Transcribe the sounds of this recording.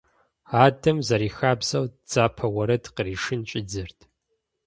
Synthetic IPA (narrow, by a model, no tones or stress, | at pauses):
aːdɐmzɐɾiːxaːbzɐwd͡z̥aːpʰɐwɐɾɐdqəɾiːʂɨnt͡ʃʼɪd͡zɨrtʰ